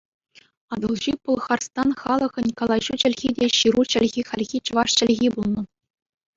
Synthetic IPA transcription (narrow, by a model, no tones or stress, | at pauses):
ɑd̪ɤlˠʑipŭlˠχɑrst̪ɑnχɑlˠɤ̆ʁɤ̆nʲkɑlˠɑʑut͡ɕɘ̆lʲɣʲidʲeɕiɾut͡ɕɘ̆lʲɣʲixɑlʲɣʲit͡ɕɤ̆ʋɑʂt͡ɕɘ̆lʲɣʲibulˠnɤ̆